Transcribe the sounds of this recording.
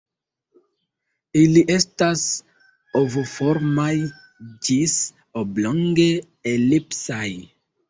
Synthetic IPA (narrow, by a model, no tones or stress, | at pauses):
iliʔe̞stas | ovofo̞ɾmaj | d͡ʒis | obloŋɡe̞ | elipsaj